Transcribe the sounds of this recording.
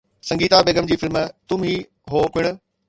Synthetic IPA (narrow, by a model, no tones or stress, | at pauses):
sɐ̃ŋɡiːt̪abeːɡəmd͡ʑiːfɪlmt̪ʊmɦiː | ɦoːpɪɽ̃ʊ̆